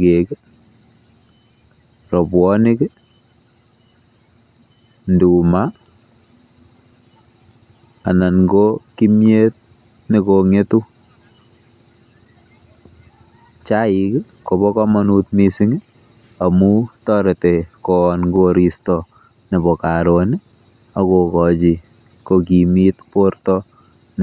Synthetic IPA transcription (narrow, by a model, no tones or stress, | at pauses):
kek | rɔbwɔnɪk | nduma | nanɡokimjet̚ | nekoŋetu | t͡ʃaik | kobɔkɔmɔnutmisiŋ | amutɔɾetekɔnɡoɾistɔ | nebɔkaɾoni | akokɔt͡ʃi | kok̬imitportɔ | n